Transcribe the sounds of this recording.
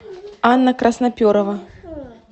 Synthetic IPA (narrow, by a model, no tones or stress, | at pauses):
anːɐkɾɐsnapʲɔɾɐvɐ